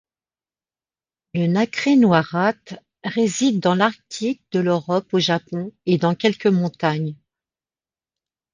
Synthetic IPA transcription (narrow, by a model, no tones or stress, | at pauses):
lənakχenwaʁat̪ | ʁezid̪ːɑ̃laʁt̪ʰik̚d̪əløʁɔpoʒapɔ̃ed̪ɑ̃kʲɛlkəmɔ̃t̪aɲ